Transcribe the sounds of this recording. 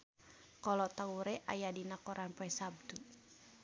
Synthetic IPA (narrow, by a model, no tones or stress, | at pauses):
kɔlɔt̪auɾɛʔajadinakɔɾanpɔɛsab̚d̪u